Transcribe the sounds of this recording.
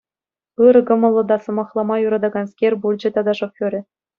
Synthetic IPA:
ɯɾɤ̆kɤ̆mɤ̆lˠːɤ̆d̪ɑsɤ̆mɑχlˠɑmɑjuɾɑd̪ɑɡɑnskʲerʲbulʲd͡ʑɘ̆t̪ɑd̪ɑʂofʲoɾʲɘ̆

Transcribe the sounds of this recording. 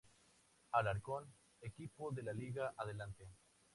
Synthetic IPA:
alaɾkon | ekipoðelaliɣaʔaðelant̪e

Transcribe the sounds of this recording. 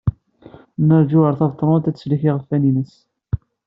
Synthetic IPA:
nəɾˤd͡ʒuəɾˤθɑvt̪ˤːɾˤut̪æt͡sːsliçiʁəfːæninəs

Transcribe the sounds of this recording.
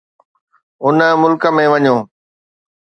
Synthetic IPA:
ʊnə̆mʊlkə̆mẽʋɐɲoː

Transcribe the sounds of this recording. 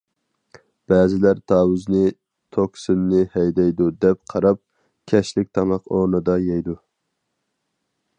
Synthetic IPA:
b̥æːzɪlæɾt̪ʰɑːwuznɪ | t̪ʰoksynːɪhɛjd̪ɛjd̪ud̪ɛp̚qʰɑɾɑp̚ | kʲʰɛʃlɪk̚ʲt̪ʰɑmɑqoɾnɨd̪ɑjɛjd̪u

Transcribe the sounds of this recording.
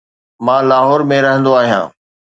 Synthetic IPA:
mãːlaːɦɔːɾmẽɾɐɦə̃nd̪oaːɦijã̰ː

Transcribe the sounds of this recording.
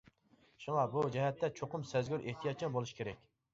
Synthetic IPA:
ʃuŋɑbud͡ʒɛɦɛt̪ːɛt͡ʃʰoqʊmsɛzɡʲyɾʔeht̪ʰijɑt̪̚t͡ʃʰimbolˠuʃkʲʰeɾɛkʲ

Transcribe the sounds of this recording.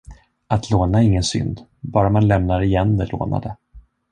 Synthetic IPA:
at̪ʰloːnaɪŋːənsʏ̰nd̪bɑːɾamanlɛmnaɾɪjɛnd̪ɛlo̰ːna̰d̪ə

